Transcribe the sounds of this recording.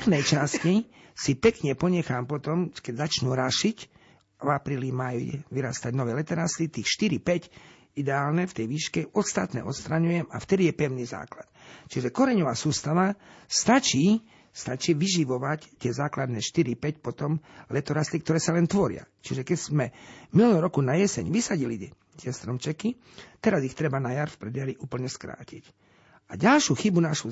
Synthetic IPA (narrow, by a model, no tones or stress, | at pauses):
nɛjt͡ʃasci | sipɛkɲɛpɔɲɛxaːmpɔt̪ɔmkɛɟzat͡ʃnuːɾaʃic | vapɾiːlimajḭʋiɾast̪aɟnɔʋɛːlɛt̪ɛɾast̪it̪iːxʃt̪iɾipɛc | id̪ɛaːlnɛft̪ɛjʋiːʃkɛɔt̪st̪at̪nɛ̰ʔɔt̪st̪ɾaɲujɛmaft̪ɛd̪ijɛpɛʊniːza̰ːklat̪t͡ʃiʒɛkɔɾɛɲɔʋaːsuːst̪aʋast̪at͡ʃiː | st̪at͡ʃiʋiʒiʋɔʋact̪ɪɛzaːklad̪nɛːʃt̪iɾipɛcpɔt̪ɔmlɛt̪ɔɾast̪ikt̪ɔɾɛːsalɛnt̪ʋɔɾɪa̰t͡ʃiʒɛkɛz̥mɛmilnɔɾɔkunajɛsɛ̰ɲʋisaɟili | t̪ɪɛst̪ɾɔmt͡ʃɛki | t̪ɛɾazixt̪ɾɛbanajaɾfpɾɛd̪jaɾiʔuːpl̩ɲɛskɾa̰ːcic | aɟalʃjuxibunaʃu